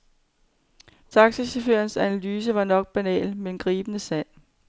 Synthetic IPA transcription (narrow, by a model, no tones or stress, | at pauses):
t͡sʰɑ̈ɡ̥siseføɐnsænælyːs̬əʋɑ̈nɒ̽ɡ̥̚b̥ænɛ̰ːlmed̥enɡ̥ʁiːb̥ənəsɛl̰